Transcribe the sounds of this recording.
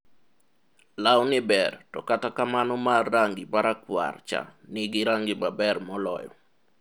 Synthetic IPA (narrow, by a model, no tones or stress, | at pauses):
lawnɪbɛrtɔ̰katakamanɔmarːaŋɡɪpaɾakwa̰rt͡ʃa̰nɪɡɪɾaŋɡɪmabɛrmɔlɔ̰jɔ̰